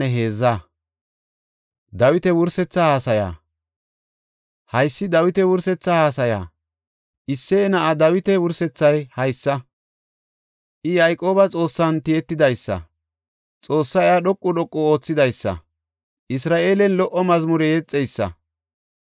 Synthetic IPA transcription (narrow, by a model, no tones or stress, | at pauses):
ɛɦe̞ːzːa | d̪ɐwɪt̪ɛwʊɾsɛt͡sːɐhaːsɐja̰ː | hɐjsːɪd̪ɐwɪt̪ɛwʊɾsɛt͡sːɐhaːsɐja̰ː | ʔɪsːɛːnɐʔad̪ɐwɪt̪ɛwʊɾsɛt͡sːɐjhɐjsːɐ | ʔɪjɐjkʼo̞ːbɐt͡sʼo̞ːsːɐnt̪ɪjɛt̪ːɪd̪ɐjsːɐ̰ | t͡sʼo̞ːsːɐɪaɗɔkʼːʊɗɔkʼːʊo̞ːt͡sːɪd̪ɐjsːɐ̰ | ʔɪsɾaːʔe̞ːlɛnlɔʔɔmɐzmʊɾɛjɛt͡sʼːɛjsːɐ̰